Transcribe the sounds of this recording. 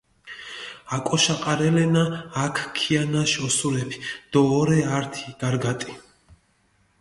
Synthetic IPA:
akʼɔʃaqʼaɾɛlɛnaːkʰkʰianaʃɔsuɾɛpʰi̥d̪̥ɔːɾɛaɾt̪ʰi̥ɡ̥aɾɡat̪ʼi̥

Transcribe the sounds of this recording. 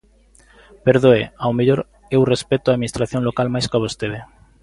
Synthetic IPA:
peɾðoeawmeʎoɾ | ewrespet̪ʊaːðminist̪ɾaθjoŋlokalmajskaβost̪eðe

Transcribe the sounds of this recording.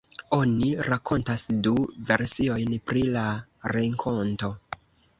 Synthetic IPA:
o̞niɾakʰo̞ntasduve̞ɾsio̞jnpɾilaɾe̞ŋkʰo̞nto̞

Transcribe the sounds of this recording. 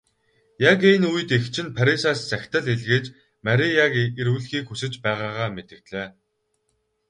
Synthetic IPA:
jakenuj̆t̪ext͡ɕʰɪ̆npʰaɾʲisaːst͡sæxʲt̪ə̆ɮeɮɣeːt͡ɕ | mæɾʲijakeɾuːɮxiːkxusɘ̆t͡ɕpæːʁaːʁaːmet̪ɘ̆k̚t̪ɮeː

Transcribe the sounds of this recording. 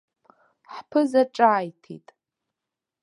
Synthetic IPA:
ħpʰɨzaʈ͡ʂʼaːjtʰḭtʼ

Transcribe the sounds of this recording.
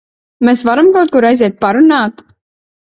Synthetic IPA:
mɛːsvaɾamkawt̪̚kuɾajzʲɛːt̪̚paɾunaːt̪

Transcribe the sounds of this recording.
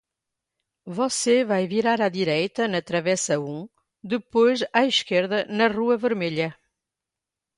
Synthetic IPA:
vɔsevajviɾaɾaðiɾɛjt̪ɐnɐt̪ɾɐvɛsɐũ | d̪ɨpojzaiʃkeɾðɐnɐʁuɐvɨɾmeʎɐ

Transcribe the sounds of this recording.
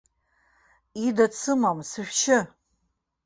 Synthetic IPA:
idat͡sʰɨmamsɨʃʷᶣt͡ʃʰɪ

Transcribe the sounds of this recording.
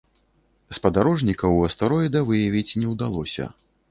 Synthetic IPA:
spɐd̪aɾɔʐnʲikɐwɐst̪aɾɔjɛd̪ɐvɨjɐvʲit͡sʲnʲɛwd̪alˠɔsʲɐ̰

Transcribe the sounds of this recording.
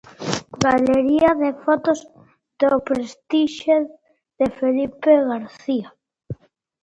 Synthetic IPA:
ɡaleɾiaðefot̪oz | d̪opɾest̪iʃe | ðefelipeɣaɾθia

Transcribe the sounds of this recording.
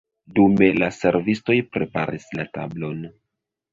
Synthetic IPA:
dume̞lase̞ɾvisto̞jpɾe̞pa̰ɾislata̰blo̞n

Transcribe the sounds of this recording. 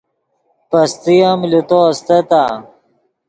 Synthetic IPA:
pɐst̪ijamlut̪ost̪ɐt̪a

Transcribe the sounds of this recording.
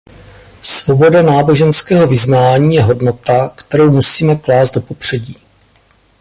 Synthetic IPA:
svo̞bo̞danaːbo̞ʒɛnskɛːɦo̞vɪznaːɲiːjɛɦo̞dno̞t̪akt̪ɛɾo̞wmusiːmɛklaːzd̪do̞po̞pr̝̥ɛɟiː

